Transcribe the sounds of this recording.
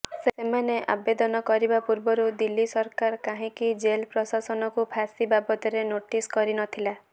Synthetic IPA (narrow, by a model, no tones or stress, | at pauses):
seemaneʔa̰bed̪ɔnɔkɔɾibapuɾbɔɾud̪ilːisɔɾkaɾkaɦĩkid͡ʒelpɾɔsasɔnɔkupʰasibabɔt̪ɔɾenoʈiskɔɾinɔt̪ʰila